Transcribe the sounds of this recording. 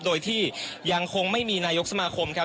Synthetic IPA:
doː˧jt̪ʰiː˥˩ja˧ŋkʰo˧ŋma˥˩jmiː˧naː˧jo˦˥k̚sa˧maː˧kʰo˧mkʰa˦˥

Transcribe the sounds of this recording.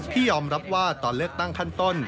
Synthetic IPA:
t̪ʰiː˥˩jɔː˧mɾa˦˥p̚waː˥˩t̪ɔː˨˧nlɯ˥˩ək̚t̪a˥˩ŋkʰa˥˩nt̪o˥˩n

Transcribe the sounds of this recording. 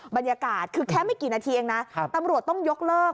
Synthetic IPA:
ba˧njaː˧kaː˨˩t̪̚kʰɯː˧kʰɛː˦˥˩ma˥˩jkiː˨˩naː˧t̪ʰiː˧ʔeː˧ŋna˦˥˧t̪a˧mɾu˨˩ət̪ːɔ˥˩ŋjo˦˥k̚lɤː˥˩k̚

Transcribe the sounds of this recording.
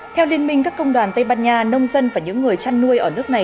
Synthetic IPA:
t̪ʰɛ˧wli˧ənmï˧ŋ̟kaː˦˥kːə˧wŋ͡mɗwaː˨˩nt̪ə˧jɓaː˧nɲaː˧nə˧wŋ͡mzə˧nvaː˨˩ɲɨ̰˧˥ŋːɨ˨˩əjt͡ɕa˧nːu˧əjʔəː˧˩nɨ˦˥ək̚na˨˩j

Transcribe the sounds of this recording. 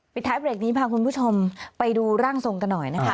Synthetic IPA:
pi˨˩t̪ʰːaː˦˥pɾeː˨˩k̚niː˦˥pʰaː˧kʰu˧npʰuː˥˩t͡ɕʰo˧mpa˧jduː˧ɾaː˥˩ŋso˧ŋka˧nːɔ˨˩jna˦˥kʰa˦˥

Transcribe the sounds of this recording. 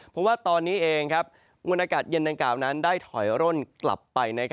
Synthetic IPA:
pʰɔ˨˦˥mwaː˥˩t̪ɔː˧nːiː˦˥ʔeː˧ŋkʰa˦˥p̚ | ŋu˧nʔaː˧kaː˨˩t̪̚jɤ˧nda˧ŋklaː˨˩wna˦˥ndaː˥˩jt̪ʰɔ̰˩˦jɾo˥˩nkla̰˨˩pːa˧jna˦˥kʰ

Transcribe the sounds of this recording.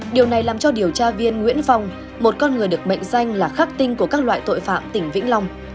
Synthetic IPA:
ɗi˨˩əwna˨˩jlaː˨˩mt͡ɕɔ˧ɗi˨˩əwt͡ɕaː˧vi˧ənŋwḭ˧˥ənfa˧wŋ͡m | mo˨˩t̚kɔ˧nŋɨ˨˩əjɗɨ˨˩ək̚ɓə̰˧˨jŋ̟sa˧jŋ̟laː˨˩xaː˦˥k̚t̪ï˧ŋ̟ku˧˩əkaː˦˥k̚la̰ː˧˨jt̪o̰˧˨jfa̰ː˧˨mt̪ï˧˩ŋ̟vḭ˧˥ŋla˧wŋ͡m

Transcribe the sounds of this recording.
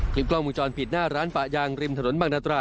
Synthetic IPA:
kʰli˦˥p̚klɔː˥˩muː˧t͡ɕɔː˧npʰi˨˩t̪̚naː˥˩ɾaː˦˥npa˨˩jaː˧ŋɾi˧mt̪ʰno˩˦nbaː˧˩naː˦˥˩t̪ɾaː˧˩

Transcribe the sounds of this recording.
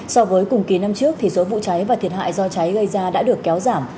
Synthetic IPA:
sɔ˧vəː˨˦jkʊ˨˩ŋ͡mki˨˦na˧mt͡ɕɨ˦˥ək̚t̪ʰi˨˩so˨˦vṵ˧˨t͡ɕa˨˦jvaː˨˩t̪ʰi˨˩ət̚ɦa̰ː˧˨jzɔ˧t͡ɕa˨˦jɣə˧jzaː˧ɗa̰ː˧˥ɗɨ˨˩əkːɛ˨˦wzaː˧˩m

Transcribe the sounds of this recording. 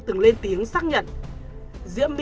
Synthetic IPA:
t̪ɨ˨˩ŋle˧nt̪i˨˦əŋsaː˦˥k̚ɲə̰˧˨n | zḭ˧˥əmː˧

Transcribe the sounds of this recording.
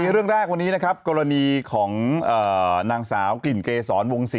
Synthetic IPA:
i˧ɾɯ˥˩əŋɾɛː˥˩k̚wa˧nːiː˦˥na˦˥kʰa˦˥p̚kɔː˧ɾa˧niː˧kʰɔː˩˦ŋʔɤː˨˩naː˧ŋsaː˩˦wkli˨˩nkeː˧sɔː˩˦nwo˧ŋsi˨˩

